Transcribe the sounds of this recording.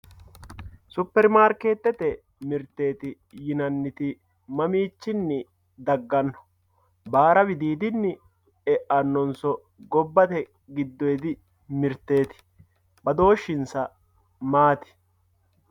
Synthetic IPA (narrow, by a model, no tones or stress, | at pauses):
sʊpːɛɾmaːɾkeːt̪ːɛt̪ɛ | mɪɾt̪ːe̞ːt̪ɪ | jɪnɐnːɪt̪ɪ | mɐmiːt͡ʃːɪnːɪ | d̪ɐɡːɐnːɔ̥ | baːɾɐbɪd̪iːd̪ɪnːɪ | ɛʔɐnːɔnsɔ | ɡɔbːɐt̪ɛ | ɡɪd̪ːɔjɛd̪ɪ | mɪɾt̪ːe̞ːt̪ɪ̥ | bɐd̪o̞ːʃːɪnsɐ | maːt̪ɪ̥